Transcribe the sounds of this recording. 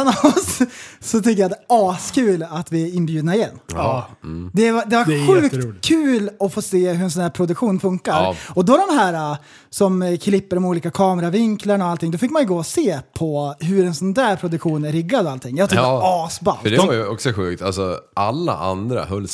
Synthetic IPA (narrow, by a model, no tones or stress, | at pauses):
nssɔt̪ʰʏkːəjad̪ɛɑːskʰʉ̟ːlat̪vɪɪnːbjʉ̟d̪naɪjɛnː | d̪ɛvad̪ɛvaɧʉ̟ːkːkʰːʉ̟ːlɔfoːseːɦɵɛnsɔnæːɾpʰɾʊd̪ɵkɧuːnfɵŋkaɾɔd̪ɔd̪ɔmɦæːɾa | sɔmkʰlɪpːəɾɔmuːliːkakʰɑːmɛɾavɪŋklaɳɔalt̪ɪŋd̪ɔfɪkːmanjʏɡoːɔseːpʰɔɦɵɾɛnsɔnd̪æːɾpʰɾʊd̪ɵkɧuːnɾɪɡːad̪alt̪ʰɪŋːjɑt̪ʰɪɑːsba̰nfœdɖɛvajɔksɔɧʉ̟ːkt̪alsɔʔalːa̰ʔa̰nd̪ɾa̰hœlː